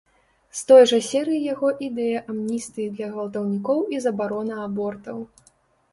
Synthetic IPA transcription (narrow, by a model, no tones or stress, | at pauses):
st̪ɔjʐɐsʲɛɾɨjijaɣɔʔid̪ɛjɐʔamnʲist̪ɨjid̪lʲɐɣvɐlˠt̪ɐwnʲikɔwizɐbaɾɔnɐabɔrt̪ɐw